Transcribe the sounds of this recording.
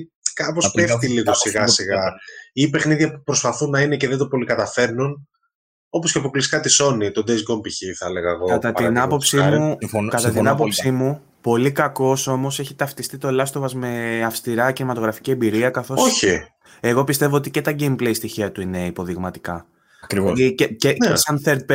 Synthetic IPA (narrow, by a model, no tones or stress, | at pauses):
kɐpospefft̪iliɣosiɣɐsiɣɐipe̞xniðʝɐpupɾo̞spɐθunɐineceðet̪opo̞likɐt̪ɐfe̞ɾnun | o̞posceɐpokliskɐt̪iso̞nit̪o̞d̪ezɡompiçiθɐleɣɐeɣokɐt̪ɐtt̪inɐpo̞psimukɐt̪ɐt̪inɐpopsimu | po̞likɐko̞so̞mo̞se̞çit̪ɐft̪ist̪it̪o̞lɐst̪ovɐzme̞ɐfst̪iɾɐcinimɐt̪o̞ɣɾɐfi̥ciembiɾiɐkɐθo̞soçi | e̞ɣo̞pist̪e̞vo̞ot̪ice̞t̪ɐɟejmpleist̪içiɐt̪uine̞ipo̞ðiɣmɐt̪i̥kɐ | ɐkɾioieceesɐnθeɾd̪̚p